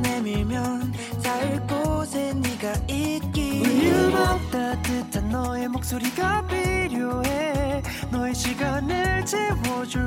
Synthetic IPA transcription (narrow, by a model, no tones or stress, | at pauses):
nemiɭmjʌn | t͡ɕaɭkosʰeɲiɡait̚k͈iiɯmat̪͈atɯtʰanːʌemok̚s͈oɾiɡapiɾjoe | nʌeɕʰiɡanɯɭt͡ɕewod͡ʑu